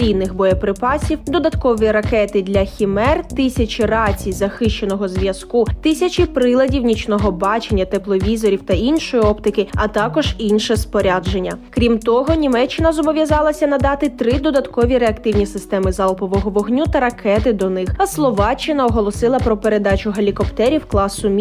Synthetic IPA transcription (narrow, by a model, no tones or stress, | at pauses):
ijnɪxbɔjɐpɾɪpɑsʲiwd̪ɔd̪ɐt̪kɔʋiɾɐkɛt̪ɪd̪lʲɐxʲimɛrt̪ɪsʲɐt͡ʃʲirɑt͡sʲijzɐxɪʃt͡ʃenɔɦɔzʋʲjɐskut̪ɪsʲɐt͡ʃipɾɪlˠɐdʲiwnʲit͡ʃnɔɦɔbɑt͡ʃenʲːɐt̪ɛplˠɔʋʲizɔɾʲiwt̪ɐinʃɔjiɔpt̪ɪkɪɐt̪ɑkɔʒinʃɛspɔɾʲad͡ʒe̞nʲːɐkɾʲimt̪ɔɦɔnʲimɛt͡ʃːɪnɐzɔbɔʋʲjɐzɑlˠɐsʲɐnɐd̪ɑt̪ɪt̪ɾɪd̪ɔd̪ɐt̪kɔʋʲiɾeɐkt̪ɪwnʲisɪst̪ɛmɪzɑlˠpɔʋɔɦɔʋɔɦnʲut̪ɐɾɐkɛt̪ɪd̪ɔnɪxɐslˠɔʋɑt͡ʃːɪnɐɔɦɔlˠɔsɪlˠɐpɾɔpeɾe̞d̪ɑt͡ʃʲʊɦɐlʲikɔpt̪ɛɾʲiwklˠɑsːʊmʲ